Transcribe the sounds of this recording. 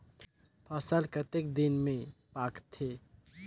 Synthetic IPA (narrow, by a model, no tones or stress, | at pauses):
pʰɐsəlkət̪ek̚d̪ɪnmẽpaːkt̪ʰːeː